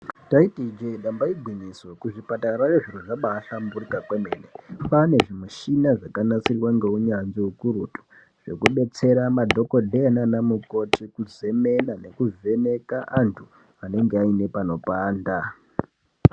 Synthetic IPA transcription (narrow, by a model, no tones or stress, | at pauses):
taitid͡ʒeiɗambaiɡʱiɲiso̞kuʐipataɾajeʐiruʐaɓaːɬamburikakweme̞ːnepane̞ʐimuʃinaʐakanat͡sirwaŋɡe̞uɲanziukuɾutu̥ | ʐ̥e̞̰kuɓe̞t͡se̞ɾamadʱo̞ko̞dʱeananamuko̞tikuze̞me̞nane̞kuvʱe̞me̞kaʔantʰu | ane̞ŋɡe̞aine̞pano̞paːnda